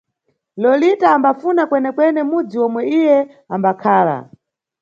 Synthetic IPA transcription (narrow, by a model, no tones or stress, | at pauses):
lɔlitaːmbafunakwɛnɛkwɛnɛmud͡ziwɔmwɛijɛ | ambakʰaːla̰